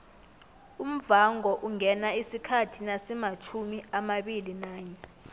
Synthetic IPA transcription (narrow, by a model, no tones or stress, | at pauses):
um̩vaŋɔʔuŋɛnaisikʰatʰinasɛmat͡ʃʰumiamaɓilinaːɲɛ